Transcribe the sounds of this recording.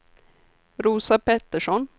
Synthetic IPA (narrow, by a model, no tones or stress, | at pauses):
ɾuːsapɛt̪ːəʂɔn